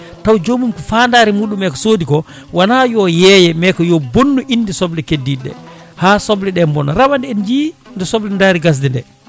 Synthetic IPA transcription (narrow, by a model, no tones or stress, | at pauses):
tawd͡ʒomumkɔfaːndaːɾimuːɗumɛkɔsoːdikɔ | wanajɔjɛjɛmɛkɔjɔbonːuʔinːdisɔblɛkedːiɗːɛ̰ | haːsɔblɛɗɛmbɔnɾabandɛɛnd͡ʒiːndɛsɔblɛndaːɾiɡas̬dɛndɛ̰